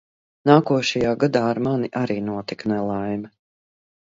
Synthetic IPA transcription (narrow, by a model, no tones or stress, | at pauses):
naːkuɔʃajaːɡad̪aːaɾmaniʔaɾiːnuɔt̪iknɛlˠajmɐ